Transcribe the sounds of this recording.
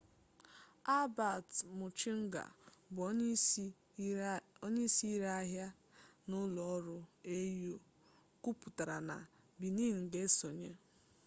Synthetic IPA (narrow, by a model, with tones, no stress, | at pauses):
a˦ba˨tmʊ˨t͡ʃi˦ŋ̩˦ɡa̰˨b | ɔ˦ɲi˦si˦i˦ɾa˦a˦ɦja˦ | nʊ˦lɔ˨ɔ˦ɾʊ˦e˦jo˦ | ku˦pʊ˨ta˨ɾa˨na̰˨ | bi˨ni˦˨ŋ̩˨ɡe˦so˨ɲe˦